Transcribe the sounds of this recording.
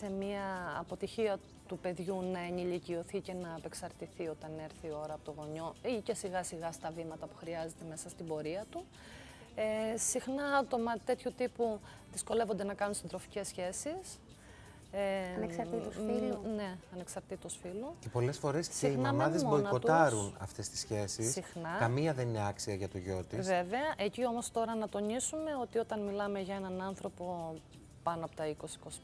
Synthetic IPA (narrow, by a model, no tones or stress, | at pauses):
se̞miɐːpo̞t̪içiɐ | t̪upe̞ðʝunɐenilicio̞θice̞nɐːpe̞ksɐɾt̪iθio̞t̪ɐne̞ɾθio̞ɾɐpot̪oɣo̞ɲo̞ice̞siɣɐsiɣɐst̪ɐvimɐt̪ɐpu̥xɾiɐze̞t̪eme̞sɐst̪ibo̞ɾiɐt̪u | eːixnɐɐt̪o̞mɐt̪e̞t̪çut̪ipu | ðisko̞le̞vo̞nd̪e̞nɐkɐnunsind̪ɾo̞fi̥ce̞sçe̞sis | e | ne̞ɐne̞ksɐɾt̪it̪osfiluce̞po̞le̞sfo̞ɾe̞ssieimnɐmɐðezboikot̪ɐɐɾunɐ̰ft̪e̞st̪i̥sçe̞sissixnɐkɐmiɐðe̞nine̞ɐksiɐʝɐt̪oʝo̞t̪isve̞ve̞ɐʔe̞cio̞mo̞st̪o̞ɾɐnɐt̪o̞nisume̞o̞t̪io̞t̪ɐnmilɐme̞ʝɐe̞nɐnɐnθɾo̞po̞ | pɐnoɐpot̪ɐiko̞sikos